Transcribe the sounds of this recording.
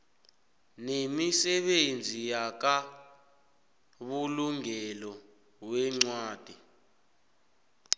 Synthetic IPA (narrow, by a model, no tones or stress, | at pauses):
nemisɛɓend͡zʱijak̬a | ɓuluŋɛlɔ | wɛŋ͡ǀwaːd̥ʱi